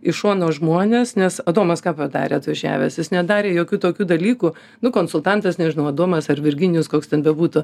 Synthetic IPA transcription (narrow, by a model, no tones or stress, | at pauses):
ɪʃoːnoːʒmoːnʲeːsnʲɛsɐd̪oːmɐskɑːpɐd̪ɑ̰ːɾʲeːɐt̪ʋɐʒʲæ̰ːʋʲɛsjɪsnʲɛd̪ɑːɾʲeːjoːkʲuːt̪oːkʲuːd̪ɐlʲiːkuː | nʊkoːnsʊlˠt̪ɑnt̪ɐsnʲɛʒʲɪnɐʊɐd̪oːmɐsɐrʋʲɪrʲɡʲɪnʲjʊskoːkst̪ʲɛnbʲɛbuːt̪ʊ